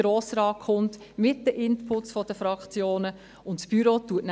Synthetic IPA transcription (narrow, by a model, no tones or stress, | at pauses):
ɾoːsɾɑːkχʊnt | mɪt̚dəʔɪnpʰʊtsfɔdəfɾɑkt͡sjoːnə | ʊntsb̥yɾotuətn